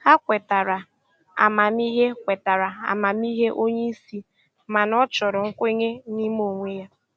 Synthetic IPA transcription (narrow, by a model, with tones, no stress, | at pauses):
ha˦kʷe˨ta˨ɾa˨ | a̰˨ma˨mi˦ɦe˦kʷe˨ta˨ɾa˨a̰˨ma˨mi˦ɦe˦ʔo˦ɲe˦i˦si˦ | ma˨nɔ˦t͡ʃɔ˨ɾɔ˨ŋ̩˦kʷe˦ɲe˦ni˦m˦o˨ŋʷe˦ja˦